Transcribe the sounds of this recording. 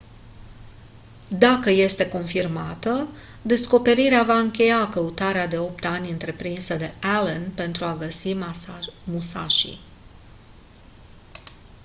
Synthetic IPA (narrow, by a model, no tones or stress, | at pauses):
d̪akəje̞st̪e̞ko̞nfirmat̪ə | d̪e̞sko̞pe̞ɾiɾeavaɨŋkʲe̞jakəut̪aɾead̪e̞o̞pt̪anʲɨnt̪ɾe̞pɾinsəd̪e̞alənpe̞nt̪ɾuaɡəsi | musa̰ʃḭ